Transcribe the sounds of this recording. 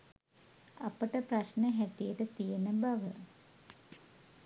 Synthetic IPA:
ɐpəʈəprɐɕneɦæt̪ijeʈət̪ijenəbaʋə

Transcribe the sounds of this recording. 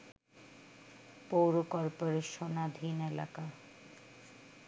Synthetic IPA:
powɾokɔɾpoɾeʃonad̪ʱinela̰ka

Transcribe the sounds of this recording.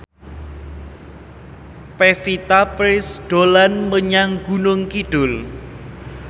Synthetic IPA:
pefit̪apɾɪsɖ̥o̤lanməɲaŋɡ̥unʊŋkiɖ̥ʊl

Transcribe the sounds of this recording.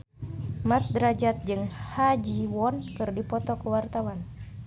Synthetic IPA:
mat̪̚dəɾad͡ʒat̪̚d͡ʒɨŋhad͡ʒiwɔnkɨrdipɔt̪ɔkəwart̪awan

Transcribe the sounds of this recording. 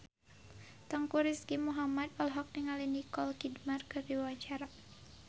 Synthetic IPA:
t̪əŋkuɾiskimuɦamad̪ɔlɦɔk̚niŋalinikɔlkidmarkərdiwat͡ʃaɾa

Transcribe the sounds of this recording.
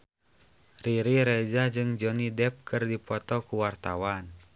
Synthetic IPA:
riɾiɾɛd͡ʒad͡ʒɨŋd͡ʒɔnidɛp̚kʰɨrdipɔt̪ɔkuwart̪a̰wan

